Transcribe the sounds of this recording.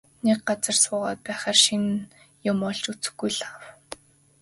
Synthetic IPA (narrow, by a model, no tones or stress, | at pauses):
nek̚ɢat͡sə̆rsʊːʁaːt̪̚pæːχaːrʃin | jʊmɔɮt͡ɕut͡sɘ̥̆xɡujɮaw